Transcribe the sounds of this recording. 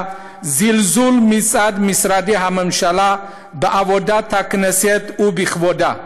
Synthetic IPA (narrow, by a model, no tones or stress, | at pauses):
zilzulmit͡sʼad̪misɾad̪iɦaməmʃala | bəʔavɔd̪at̪ʰakʰnəset̪ʰubiχvɔd̪a